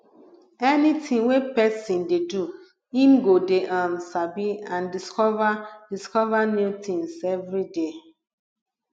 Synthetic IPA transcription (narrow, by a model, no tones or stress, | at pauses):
ɛnitʰĩŋwepɛsĩndedu | ĩmɡodeʔãnsabiãndiskɔvadiskɔvanutĩŋsɛvɹide